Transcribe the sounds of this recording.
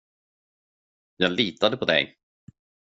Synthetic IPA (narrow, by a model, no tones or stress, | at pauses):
jɑːɡliːt̪ad̪əpʰɔd̪ɛ̰j